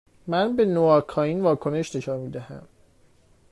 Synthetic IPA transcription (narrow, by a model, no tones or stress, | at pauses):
mænbe̞noɒkʰɒːinvɒːkʰone̞ʃne̞ʃɒːnmiːd̪æhæ̰m